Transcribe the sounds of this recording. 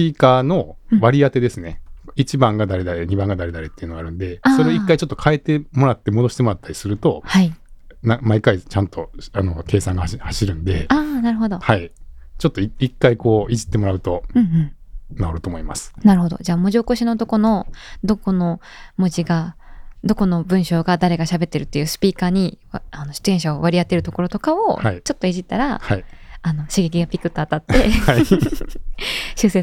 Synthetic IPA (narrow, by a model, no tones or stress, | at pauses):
iːkaːno̞βaɾʲiat̪e̞d̪e̞sɨne̞it͡ɕibãŋɡad̪aɾe̞d̪aɾe̞ɲ̟ibãŋɡad̪aɾe̞d̪aɾe̞t̪ːeiɯ̟noɡaɾɯ̟̃nd̪e̞aso̞ɾe̞oikːait͡ɕo̞t̪ːokʰae̞t̪e̞mo̞ɾat̪ːe̞mo̞d̪o̞ɕi̥t̪emo̞ɾat̪ːaɾʲi̥sɨɾɯ̟t̪o̞hainamaikait͡ɕãnt̪o̞ano̞ke̞ːsãŋɡahaɕiɾɯ̟̃nd̪e̞aːnaɾɯ̟ɦo̞d̪o̞hait͡ɕo̞t̪ːo̞iikːaiko̞ːiʑi̥t̪ːe̞mo̞ɾaɯ̟t̪o̞ɯ̟̃ɯ̃naoɾɯ̟t̪o̞ːmoima̰sɨ̥naɾɯ̟ɦod̪o̞̰d͡ʑaːmoʑioko̞ɕino̞t̪o̞ko̞no̞d̪o̞ko̞no̞ | mod͡ʑiɡad̪o̞ko̞no̞bɯ̟̃ɰ̃ɕo̞ːɡad̪aɾe̞ɡaɕabe̞t̪ːe̞ɾɯ̟t̪ːe̞jɯ̟ːsɨ̥pʲiːkaːɲ̟iano̞ɕi̥t̪ɨẽ̞ɕaoβaɾʲiat̪ːe̞ɾɯ̟t̪o̞ko̞ɾo̞t̪o̞kao̞ait͡ɕo̞t̪ːo̞iʑit̪ːaɾa̰haiano̞ɕiɡe̞kʲiɡapʲikɯ̟t̪ːo̞at̪at̪ːe̞hai | ɕɨːse